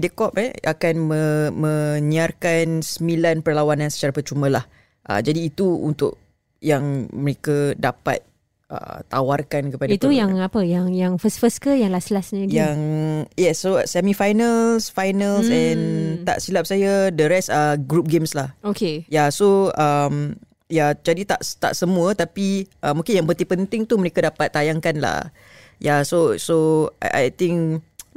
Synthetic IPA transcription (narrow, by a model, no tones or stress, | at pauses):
idəkɔp̚ɛa̰kanməmə̃niarkansəmilanpərlawanãnsə̥t͡ʃaɾapərt͡ʃumãlah | ʔa̰d͡ʒadiːt̪uṵnt̪ʊ̰ʔ̚ | jaŋməɾekadapa̰t̪̚ | ʔə̰t̪ːawarkankəpadat̪ujaŋapəjaŋjaŋfəsfəskəjaŋlaslasɲəɡjaŋjɛsːosɛmifajnəlsfajnəlsɛ̃nt̪a̰ʔsilap̚sajadəɾɛsaɡɾup̚ɡemslahokejasoəm | jad͡ʒadit̪a̰ʔt̪a̰ʔsəmũət̪apiʔəmũŋkɪnjaŋpət̪ipənt̪ɪŋt̪uməɾekadapat̪ːajaŋkanla̰ | jasosoa̰a̰jt̪ɪŋk